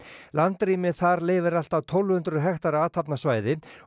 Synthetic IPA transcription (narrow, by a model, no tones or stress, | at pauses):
lant̪ɾiːmɪθaɾleːjvɪɾal̥t̪awt̪ʰɔwlvhʏnt̪ɾʏɦɛxt̪aɾaːt̪ʰapnasvaːjðɪ